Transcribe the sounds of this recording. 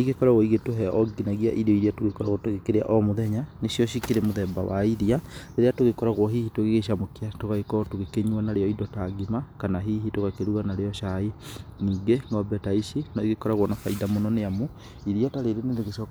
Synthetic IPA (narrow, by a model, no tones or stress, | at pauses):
iɣekɔɾaɣɔiɣetoɦɛʔɔɡinaɣia̰ʔiɾeɔiɾiatoɣekɔɾaɣɔtweɣekeɾea̰ʔɔmoðɛɲanesjɔɕikeɾemoðɛba̰wa̰iɾiaɾeɾeatoɣekɔɾaɣwɔɦihitweɣeɣeʃamokeatoɣaɣekɔtoɣekeɲwanaɾeɔidɔtaɡimakanaɦiɦitoɣakeɾuɣanaɾeɔʃainiːŋɡeŋɡɔbɛtaiʃinɔiɣekɔɾaɣwɔnafaidamonɔneamo | iɾiataɾeɾeneɾeɣeʃɔ